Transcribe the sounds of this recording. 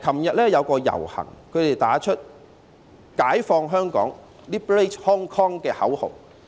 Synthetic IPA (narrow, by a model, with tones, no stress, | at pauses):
kʰɐ˨˩mjɐ˨t̚lɛː˥jɐ˨˧wkɔː˧jɐ̰˨˩whɐ̰˨˩ŋkʰɵ˨˧ɥt̪e˨˩jt̪aː˨˥t͡ʃʰɵ˥t̚ | kaː˨˥jfɔː˧ŋɦœː˥ŋkɔ̰ː˨˥ŋ | liː˥ple˥thɔː˥ŋkʰɔː˥ŋkɛː˧hɐ˨˥who̰˨w